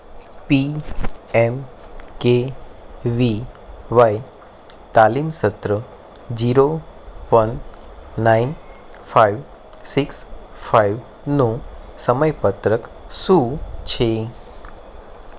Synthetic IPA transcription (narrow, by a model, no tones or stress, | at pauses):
pi | ɛmke | ʋiʋaj | t̪alimsət̪ɾə | d͡ʒiɾoʋənː | ain | fʰajʋ | siks | faiʋ | nũsəməjpət̪ɾəksũt͡ʃʰe